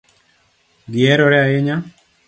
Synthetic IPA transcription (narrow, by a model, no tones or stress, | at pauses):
ɡɪɛɾɔɾɛaɪɲa